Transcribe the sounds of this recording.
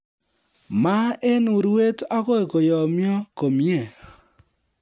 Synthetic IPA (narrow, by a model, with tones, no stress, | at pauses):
ma˦e˦nu˨ɾwe˦ta˦ko˦e˨ko˨jɔ˨mjɔ˦ko˨mjɛ˨